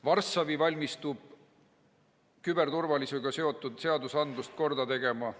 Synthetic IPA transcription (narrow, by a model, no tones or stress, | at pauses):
vɑrsɑvivɑlʲmist̪ub̥̚ | kybe̞rt̪urvɑlisuɡ̥ɑse̞o̞t̪ːˑud̪̥se̞ɑd̪usɑnd̪lust̪̚ko̞rd̪ɑt̪e̞ɡ̥e̞mɑ